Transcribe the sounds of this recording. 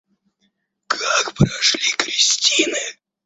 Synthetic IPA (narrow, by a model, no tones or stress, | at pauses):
kʰakpɾɐʂlʲikɾʲɪsʲtʲinɨ